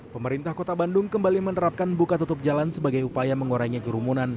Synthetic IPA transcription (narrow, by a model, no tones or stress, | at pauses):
pəməɾint̪ahkot̪abandʊŋkəmbalimənəɾap̚kanbukat̪ut̪ʊp̚d͡ʒalansəbaɡajupajaməŋoɾajŋikəɾumunan